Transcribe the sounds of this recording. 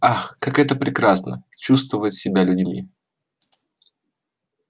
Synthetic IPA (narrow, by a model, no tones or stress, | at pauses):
axkakɛt̪əpɾʲɪkɾasnə̰t͡ɕus̬t̪vəvətʲsʲɪbʲalʲʉdʲmʲḭ